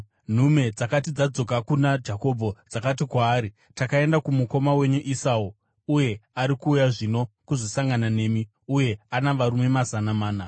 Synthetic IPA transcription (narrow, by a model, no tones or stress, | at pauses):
n̤ume̞d͡zakatid͡zad͡zo̞kakunad͡ʒako̞bʱo̞d͡zakat̬ikwaːɾi | takae̞ndakumuko̞mawe̞ɲuʔisau | uje̞aɾikuːjaʐino̞kuzosaŋɡanane̞ːmi | uje̞anaʋaɾume̞mazanamaːna